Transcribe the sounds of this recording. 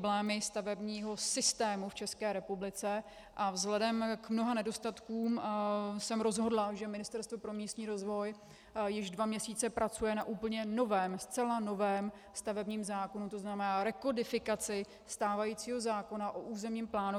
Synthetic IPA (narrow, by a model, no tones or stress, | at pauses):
blɛːmɪst̪avɛbɲiːɦo̞sɪst̪ɛːmuft͡ʃɛskɛːɾɛpublɪt͡sɛ | ʔavzɦlɛdɛmkmno̞ɦanɛdo̞st̪at̪kuːmsɛmɾo̞zɦo̞dlaʒɛmɪnɪst̪ɛɾst̪vopɾo̞miːst̪ɲiːɾo̞zvo̞j | jɪʒdvamɲɛsiːt͡sɛpɾʔat͡sujɛnaʔuːpl̩ɲɛno̞vɛːmst͡sɛlano̞vɛːm | st̪avɛbɲiːmzaːko̞nut̪o̞znamɛnaːɾɛko̞dɪfɪkat͡sɪ | st̪aːvajit͡siːɦo̞zaːko̞naʔoʔuːzɛmɲiːmplaːnu